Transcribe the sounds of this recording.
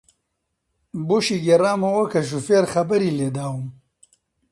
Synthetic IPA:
boʃiɡeɾaːmɐwokɐʃ̬ufeɾxɐbɐɾiled̪aːwum

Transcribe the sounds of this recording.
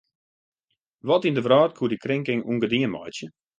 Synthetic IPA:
ʋɔtindəvraːtkʰuədikrɪŋkɪŋṵŋɡədiəmɔ̰jtjə

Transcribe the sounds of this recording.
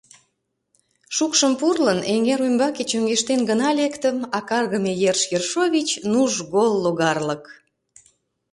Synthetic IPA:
ʃukʃəmpurləneŋeɾujmbɑket͡ɕøŋɡeʃt̪enɡənɑlʲekt̪əmɑkɑrɣəmejerʃjerʃovʲit͡ɕnuʒɣolːoɣɑrlək

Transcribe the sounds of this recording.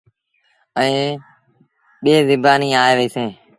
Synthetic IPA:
ə̃ː | ɓeːzɪbaːniːaːeːʋəiːsẽː

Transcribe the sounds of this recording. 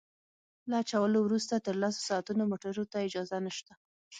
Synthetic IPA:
laat͡ʃawəlowɾust̪at̪əɾlaso̥sɑat̪unomoʈaɾot̪aɪd͡ʒɑzanəʃt̪a

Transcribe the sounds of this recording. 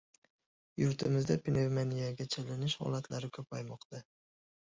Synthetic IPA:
jʊɾt̪ʰɪmɪzd̪apʰinevmanijaɡʲat͡ʃʰalɪnɪʃhɒ̰lˠat̪laɾɪkʲʰɵpajmɒqt̪a

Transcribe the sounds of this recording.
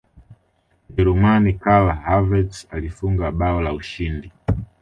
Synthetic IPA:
d͡ʒɛɾumanikalahavɛtsalifuŋɡaɓaɔlauʃindi

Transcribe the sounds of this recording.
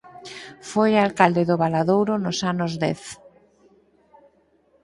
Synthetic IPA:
fojalkald̪eðʊβalaðowɾʊnʊsanʊzðɛ̰θ

